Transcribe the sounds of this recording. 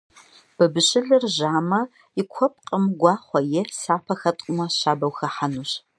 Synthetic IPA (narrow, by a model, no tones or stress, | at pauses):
b̥ɨbɨɕɪɮɨrʒaːmɐ | jɪkʷʰɔp̚ʼqʼəmɡʷɑːχʷɔjɪsaːpʰɐxɐtʼʊmɐɕaːbɐwxɐħanuːɕ